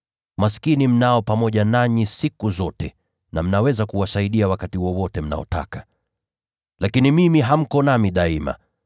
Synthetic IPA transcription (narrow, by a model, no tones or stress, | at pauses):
maskinim̩naɔpamɔʄanaɲisikuzɔtɛ | nam̩nawɛzakuwasaiɗiawakatiwɔwɔtɛm̩na̰ɔ̰ta̰ka | lakinimimiɦam̩kɔnamiɗaima̰